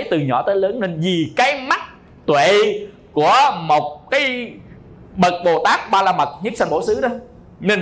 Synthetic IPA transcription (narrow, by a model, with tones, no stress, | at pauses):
jt̪ɨ˨˩ɲɔ̰˧˩t̪əː˨˦jləː˨˦nne˧nzi˨˩kaː˨˦jma˦˥t̚ | t̪wḛ˧˨˧ | ku˧˩əmo˨˩t̚kaː˨˦j | ɓə˨˩t̚ɓo˨˩t̪aː˦˥k̚ɓaː˧laː˧mə˨˩k̚ɲɨ˦˥k̚sa˧nɓo˧˩sɨ˨˦ɗə˨˦ | ne˧n